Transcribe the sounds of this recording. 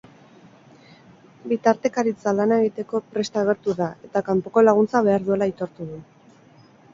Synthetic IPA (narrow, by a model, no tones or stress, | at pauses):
bit̪aɾt̪e̞kaɾit͡salanae̞ɣ̞it̪e̞ko̞pɾe̞st̪aːɣ̞e̞ɾt̪uðae̞t̪akampo̞ko̞laɣunt͡saβ̞e̞aɾðue̞lait̪o̞ɾt̪uðu